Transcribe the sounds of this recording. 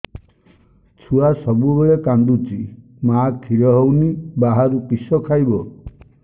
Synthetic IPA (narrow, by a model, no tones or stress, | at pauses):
t͡ʃʰuasɔbubeɭekand̪ut͡ʃi | makʰiɾɔɦownibaɦaɾupisɔkʰajbɔ